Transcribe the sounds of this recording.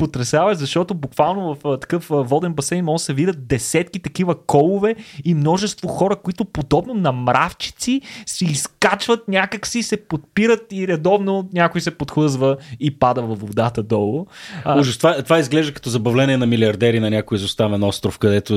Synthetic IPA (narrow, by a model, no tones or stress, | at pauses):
pot̪ɾɛsʲavɐzɐʃt̪ɔt̪ʊbukvalˠnovɐft̪ɐ̥kɤfvɔd̪ɛnbɐsɛɪnmɔsɛvid̪ət̪̚d̪ɛsɛt̪kit̪ɐkivəkɔlˠʊvɛimnɔʒɛst̪voxɔɾəkoit̪ʊpod̪ɔbnonɐmɾʔaft͡ʃi̥t̪sisɛiskat͡ʃvət̪̚nʲakəksisɛpot̪̚piɾət̪iɾɛd̪ɔvnonʲakʊjsɛpot̪xɤzvəipad̪əvɐfod̪at̪əd̪ɔlˠʊuʒəst̪vat̪ovaizɡlɛʒd̪əkə̥ɐt̪ɔzɐbɐvlɛniɛnɐmiliɐɾd̪ɛɾinɐnʲakʊjizʊst̪avɛnɔst̪ɾʊfkɐd̪ɛt̪ʊ